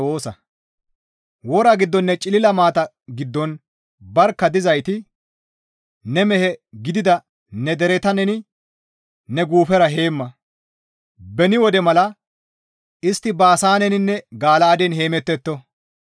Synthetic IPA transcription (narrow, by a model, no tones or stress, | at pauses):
oːsɐ | wɔɾɐɡɪd̪ːɔnːɛt͡ʃʼɪlɪlɐmaːt̪ɐ | ɡɪd̪ːɔn | bɐɾkːɐd̪ɪzɐjt̪ɪ | nɛmɛhɛɡɪd̪ɪd̪ɐ | nɛd̪ɛɾɛt̪ɐnɛnɪ | nɛɡuːfɛɾɐɦe̞ːmːɐ | bɛnɪwɔd̪ɛmɐlɐ | ɪst̪ːɪbaːsaːnɛnɪnːɛɡaːlaːd̪ɛnɦe̞ːmɛt̪ːɛt̪ːɔ